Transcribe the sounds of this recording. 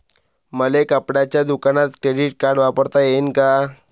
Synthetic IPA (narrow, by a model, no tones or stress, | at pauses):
məlekəpɽat͡ɕjad̪ukanat̪kɾeɖiʈ̚kaɾɽʋapəɽt̪ajenka